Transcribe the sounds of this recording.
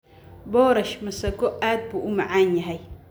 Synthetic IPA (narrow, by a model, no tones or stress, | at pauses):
boːɾɐʃmɐsɐɡoat̪̚buʔumaʕaɲaɦaj